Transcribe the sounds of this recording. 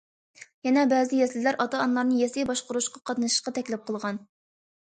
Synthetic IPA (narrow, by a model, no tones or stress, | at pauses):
jɛnɛbɛːzɪjɛslɪlæɾʔɑt̪ɑːnlˠɑɾnɨjɛsɪjbɑʃqʊɾuʃqɑqʰɑt̪nɨʃɨ̥ʃqɑt̪ʰɛkʲlɪp̚qʰəlˠʁɑn